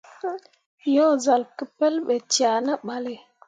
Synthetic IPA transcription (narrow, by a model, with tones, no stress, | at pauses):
jɔ˦za˨lki˦pe˦lɓe˨t͡ʃja˨na˦ɓa˨le˨